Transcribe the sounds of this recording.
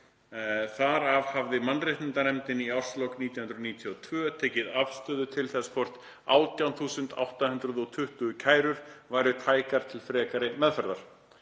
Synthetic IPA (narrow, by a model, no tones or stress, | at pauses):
θaɾavhavðɪmanːrɪht̪nɪnt̪anɛmt̪ɪniawr̥slowkniːt̪jawhʏnɾniːt̪ʰjɔɔt̪ʰvœːt̪ʰeːjcɪðavst̪œːðʏt̪ʰɪlθɛsfʰɔr̥t̪ | a̰ːwt̪jawnθuːsʏnt̪a̰wht̪ahʏnd̪ɾʏðɔt̪ʰʏht̪ʏcʰaːjɾʏɾ̥vaːjɾʏt̪ʰaːjkaɾ̥t̪ʰɪlfɾɛːkaɾɪmɛðfœɾðaɾ̥